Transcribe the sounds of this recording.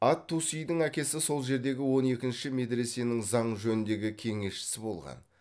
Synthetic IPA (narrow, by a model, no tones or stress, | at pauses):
ɑt̪ʰːusijd̪ɪŋækʲe̞sɪso̞lˠʒe̞ɾd̪e̞ɡʲɪwo̞ne̞kʲɪnʃɪme̞d̪ɾe̞se̞nɪŋzɑɴʒɵnɪnd̪e̞ɡʲɪkʲʰe̞ŋe̞ʃʃɪ̥sɪbo̞̰lˠʁɑ̰n